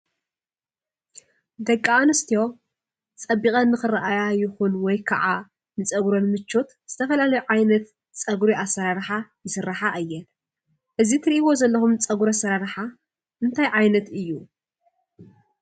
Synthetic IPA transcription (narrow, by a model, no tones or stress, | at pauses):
d̪ɐkʼːaanɨst̪ʰijo̞ | t͡sʼɐbːikʼɐnːɨxɨɾaʔajajɪxunwɔjkʰa̰ʕa | nɨt͡sʼɐɡɾo̞nmɨt͡ʃːot̪z̥ɨt̪ʰɐfɐlalɐjuʕajnɐt̪ | t͡sʼɐɡuɾiʔasɐɾaɾħajɨsɨɾːaħaʔɨjːɛ | ʔɨzit̪ʰɨɾiʔiβo̞zɐlːɐxumt͡sʼɐɡuɾɐsɐɾaɾħa | ʔɨnt̪ʰajʕajnɐt̪ɨjːu